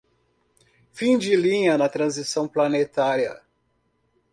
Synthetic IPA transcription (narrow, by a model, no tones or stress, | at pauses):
fĩd͡ʒɪlĩɲɐnɐt̪ɾɐ̃zisɐ̃w̃plɐnet̪aɾiɐ̰